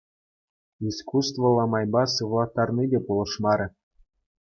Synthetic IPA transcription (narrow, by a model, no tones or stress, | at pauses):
iskust̪vɤ̆lˠɑmɑjbɑsɯʋlˠɑt̪ːɑrnʲidʲepulˠɤ̆ʂmɑɾʲɘ̆